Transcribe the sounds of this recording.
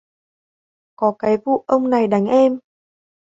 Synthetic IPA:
kɔ˨˦kaː˨˦jvṵ˧˨ʔə˧wŋ͡mna˨˩jɗa˨˦jŋ̟ʔɛ˧m

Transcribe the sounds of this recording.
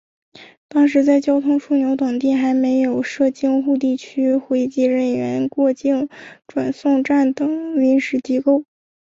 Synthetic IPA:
t̪ɑ˥ŋʂ̬ɻ̩˧˥t͡sa˥˧ɪt͡ɕjɑ˥ʊt̪ʰʊ˥ŋʂʰu˥˩njo˧˥ʊt̪ʊ˨˩ŋt̪̬i˥˩xa˧˥ɪme˧˥ɪjo˨˩ʊʂɤ˥˧t͡ɕi˥˧ŋxu˥˧t̪̬i˥˩t͡ɕʰy˥xwe˧˥ɪt͡ɕi˥˧ɻə˥˩nɥɛ˧˥nkwɔ˥˧t͡ɕi˥˩ŋʈ͡ʂwa̰˨˩nsʊ˥˧ŋʈ͡ʂa˥˩nt̪ɤ˨˩ŋli˧˥ŋʂɻ̩˧˥t͡ɕi˥ko˥˩ʊ

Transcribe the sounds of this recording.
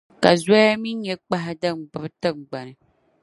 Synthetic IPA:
ka̰˨zɔ˦a˦mi˦ɲɛ˦k͡pa˦ɦɪ˦dɨ˦˨ŋ͡mbɨ˦bɨ˦tɨ˦˨ŋɡ͡ba˨nɨ˨

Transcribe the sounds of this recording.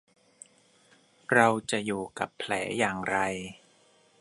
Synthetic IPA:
ɾa˧wt͡ɕa˨˩juː˨˩ka˨˩pʰːlɛː˩˦jaː˨˩ŋɾa˧j

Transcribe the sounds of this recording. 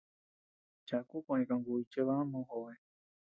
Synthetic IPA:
t͡ʃa˨ku˦kã˧ʔẽ˧ka˨ŋɡu˧i˧t͡ʃe˦βaa˦mõ˧hoe

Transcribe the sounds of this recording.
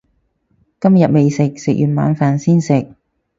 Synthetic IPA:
kɐ˥mjɐ˨t̚me˨jsɪ˨k̚sɪ˨k̚jyː˨nma̰ː˨˧nfaː˨nsiː˥nsɪ˨k̚

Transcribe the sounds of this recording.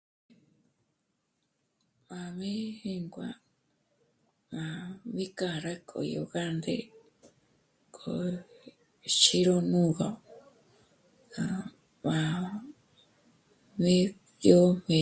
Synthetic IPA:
mã˨mĩ˦hi˦ŋɡʷa˨ | mã˨βi˦ka˧˨ɾa˦kʼo̰˨jo˨ɣa˦nd̪ḛ˦˨ | kʰʼo˨ | ʃi˦ɾo˦˧nũ˦ɣa˨ | ka˨ | mã˨ | mĩ˦ | jo˦mẽ˧

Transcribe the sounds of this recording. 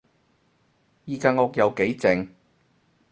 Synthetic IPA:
jiː˨˧kaː˧ŋɔː˧k̚jɐ˨˧wke˨˥jt͡sɪ˨ŋ

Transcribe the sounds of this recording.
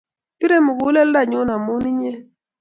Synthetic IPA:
pi˦ɾe˦mʊ˨ɡu˦lɛ˦lda˦˨ɲʊ˦na˨mʊ˦ni˦ɲ˦e˦

